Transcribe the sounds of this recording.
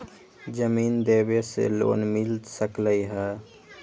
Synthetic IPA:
d͡ʒəmiːnd̪eːbesḛlo̰ːnmɪlsəkləiɦɛː

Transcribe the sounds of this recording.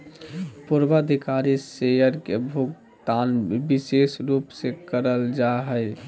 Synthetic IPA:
puɾbad̪ʱikaɾisejəɾkebʱuɡ | d̪anbisesɾupsẽkəɾəld͡ʒaɦəj

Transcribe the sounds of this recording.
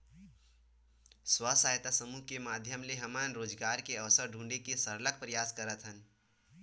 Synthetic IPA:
swəsaːɦjt̪asəmukemaːd̪ʱjəmleɦɐmənɾoːd͡ʒɡaːɾkeɐʋsəɾɖʱũːɳɖekesəɾlək̚pɾəjaːskəɾət̪ʰɦən

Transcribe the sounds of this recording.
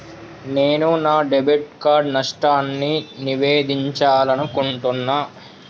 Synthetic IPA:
ne̞ːnunaːɖebiʈ̚kaːɾɖnɐʂʈaːnːiniʋeːd̪iɲt͡ʃaːlɐnukuɳʈunːaː

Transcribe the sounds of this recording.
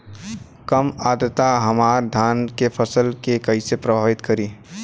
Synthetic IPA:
kəmaːd̪ət̪aɦəmaːɾd̪ʱaːnkepʰəsəlkekəisepɾəbʱaːʋɪt̪kəɾiː

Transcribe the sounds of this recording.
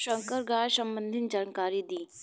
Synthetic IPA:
ʃə̃ŋkəɾɡaːsɐ̃mbə̃nd̪ʱɪnd͡ʒaːnkaːɾid̪iː

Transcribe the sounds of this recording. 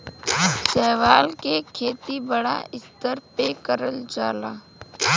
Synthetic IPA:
sɛːʋaːlkekʰeːt̪ibəɽa̰ɪst̪əɾpeːkəɾəld͡ʒaːlaː

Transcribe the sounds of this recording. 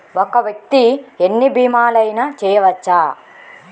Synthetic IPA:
okɐʋjɐk̚t̪ienːibiːmaːlɐjnat͡ʃɛːjɐʋɐt͡ʃːaː

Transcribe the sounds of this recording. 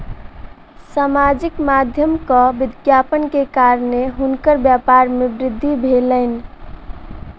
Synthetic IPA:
samad͡ʒikmad̪ʱjəmkəbid̪ɡjapənkekaɾneɦunkəɾbjapaɾmebɾɪd̪ʱːibʱeləɪn

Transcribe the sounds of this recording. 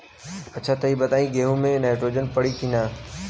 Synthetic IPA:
ɐtːʃʰat̪ɐɦibɐt̪aːĩɡeːɦõmẽnaːɪʈɾoːd͡ʒənpɐɽikinaː

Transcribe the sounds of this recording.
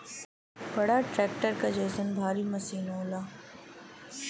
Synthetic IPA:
bɐɽaʈɾɛːk̚ʈəɾkad͡ʒeːsənbʱaːɾimɐsiːnoːlaː

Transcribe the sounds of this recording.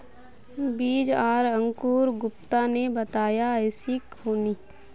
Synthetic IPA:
biːd͡ʒaːɾə̃ŋkuːɾɡʊp̚t̪anebɐt̪aːjaɛɪsikoːniː

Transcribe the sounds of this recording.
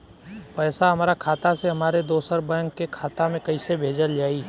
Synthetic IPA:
pɛːsaɦɐmaːɾakʰaːt̪aseɦɐmaːɾed̪oːsəɾbɛ̃ŋkːekʰaːt̪amẽkɐisebʱeːd͡ʒəld͡ʒaːiː

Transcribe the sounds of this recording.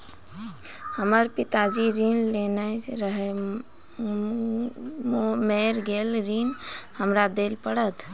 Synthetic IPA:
həməɾpit̪ad͡ʒiɾinlenajɾəɦɛ | mmeɾɡelɾinhəmɾad̪elpəɽət̪

